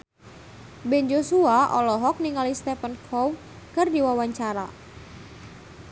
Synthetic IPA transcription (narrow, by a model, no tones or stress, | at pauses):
bɛnd͡ʒosuaʔɔlɔɦɔk̚niŋalist̪ɛfənkʰɔw | kɨrdiwawaɲt͡ʃaɾa